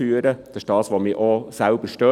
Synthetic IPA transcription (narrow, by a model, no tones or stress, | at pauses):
yːəɾəd̥ɑʃd̥ɑːsʋomiːʔosælb̥əɾʃtœ